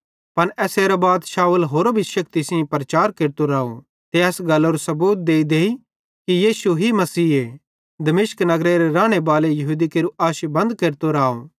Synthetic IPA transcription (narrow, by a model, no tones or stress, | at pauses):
pɐnɛːseːɾabaːd̪ʃaːuəlɦoːɾobʱiʃɐkt̪isɪ̃pɾɐt͡ʃaːɾkeːɾt̪oɾaːo̰ | t̪eɛːsɡɐlːoɾusɐbuːt̪̚d̪eːid̪eːi | kijiːsuɦimɐsiːe | d̪ɐmɪʃknɐɡɾeɾeɾaːɽ̃ebaːlejɐɦuːd̪ikeːɾuʔaːʃibɐ̃nd̪keːɾt̪oɾaːo̰